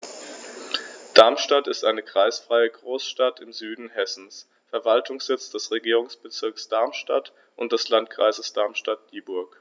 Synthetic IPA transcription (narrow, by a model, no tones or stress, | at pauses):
d̥aɐmʃtatɪstʔaɪnəkʁ̥aɪsfʁ̥aɪəɡʁoːsʃtatʰɪmzyːdn̩hɛsn̩s | fɛɐvaltʰʊŋsz̥ɪt͡sd̥ɛsʁeɡiːʁ̞ʊŋsb̥ət͡sɪɐksd̥aɐmʃta̰t | ʔʊnt̚d̥ɛslantkʁ̥a̰ɪzəsd̥aɐmʃtat̚d̥iːbʊɐk